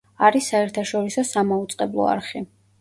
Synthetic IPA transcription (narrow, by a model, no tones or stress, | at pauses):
aɾisːaɛɾt̪ʰaʃɔɾisɔsamaut̪sʼqʼɛblˠɔ̰a̰ɾχi